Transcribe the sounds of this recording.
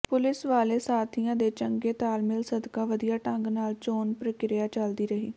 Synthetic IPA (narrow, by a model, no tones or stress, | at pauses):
pʊlɪsʋaːleːsaːt̪ʰijãːd̪eːt͡ʃəŋɡeːt̪aːlmɪlsəd̪kaːʋəd̪ɪjaːʈə̃ŋɡnaːlt͡ʃoːnpɾəkɪɾɪjaːt͡ʃəld̪iːɾəɦḭː